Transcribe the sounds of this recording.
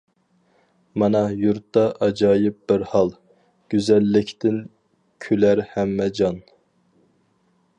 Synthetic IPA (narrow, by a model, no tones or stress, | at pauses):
mɑnɑjuɾt̪ːɑʔɑd͡ʒɑːjɪp̚bɪɾhɑlˠ | ɡ̥ʲyzɛlːɪkʲt̪ɪn | kʲʰølæɾhæmːɛd͡ʒɑn